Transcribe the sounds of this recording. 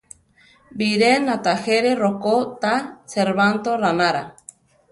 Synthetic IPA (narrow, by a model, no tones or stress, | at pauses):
biɾenat̪aheɾerokot̪aseɾβant̪oɾanaɾa